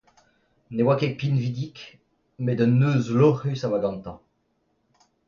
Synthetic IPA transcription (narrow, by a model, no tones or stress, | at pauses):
newakepinvid̪ik | med̪ənːøːzlɔʁysawaɡɑ̃nt̪ɑ̃